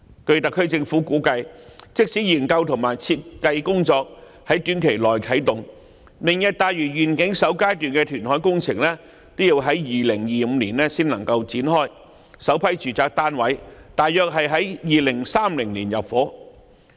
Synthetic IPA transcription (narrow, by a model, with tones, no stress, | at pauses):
kɵ˧ɥt̪ɐ˨kʰɵ˥ɥt͡sɪ˧ŋfuː˨˥kuː˨˥kɐ˧jt͡sɪ˥k̚siː˨˥jiː˨˩nkɐ˧wt̪ʰʊ˨˩ŋmaː˨˩jt͡sʰiː˧t̚kɐ˧jkʊ˥ŋt͡sɔː˧k̚ | hɐ˨˥jt̪yː˨˥nkʰe˨˩jlɔː˨˩jkʰɐ˨˥jt̪ʊ˨ŋ | mɪ˨˩ŋjɐ˧t̚t̪aː˨jɥyː˨˩ɥyː˨˩nkɪ˨˥ŋsɐ˨˥wkaː˥jt̪yː˨nkɛː˧t̪ʰyː˨˩nhɔː˨˥jkʊ˥ŋt͡sʰɪ˨˩ŋlɛː˥ | t̪o˥wji˧wɦɐ˨˥jjiː˨lɪ˨˩ŋjiː˨m̩ː˨˧liː˨˩nɛː˥siː˥nlɐ˨˩ŋkɐ˧wt͡siː˨˥nɦɔː˥j | sɐ˨˥wpʰɐ˨˥jt͡ʃyː˨˩t͡saː˨˧k̚t̪aː˥nwɐ˨˥jt̪aː˨jjœː˨k̚ɦɐ˨jɦɐ˨˥jjiː˨lɪ˨˩ŋsaː˥mlɪ˨˩ŋliː˨˩njɐ˨˩p̚fɔː˨˥